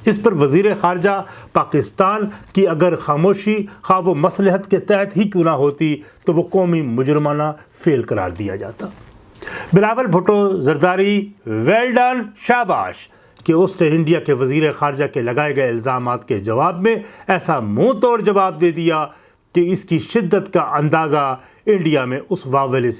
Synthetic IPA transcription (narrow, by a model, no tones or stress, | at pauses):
ɪspɐɾʋɐziːɾexaːɾd͡ʒapaːkɪst̪aːnkiɐɡəɾxaːmoːʃixaːʋomɐslɪɦət̪ket̪ɛɦət̪ɦikjũːnaɦoːt̪it̪oʋokɔːmimʊd͡ʒɾɪmaːnafʰeːlkɐɾa̰ːɾd̪ija̰d͡ʒa̰ːt̪aː | bɪlaːʋəlbʱʊʈozɐɾd̪aːɾiʋeːlɖaːnʃaːba̰ːʃ | keʊsteɪ̃ɳɖijakeʋɐziːɾexaːɾɪd͡ʒakelɐɡaːeɡɐeɪlzaːmaːt̪ked͡ʒɐʋaːbmẽɛːsamũːt̪ɔːɾd͡ʒɐʋaːb̚d̪eːd̪ija | keɪskiʃɪd̪ːət̪kaʔɐ̃nd̪aːza | ɪ̃ɳɖijamẽʔʊsʋaːʋəles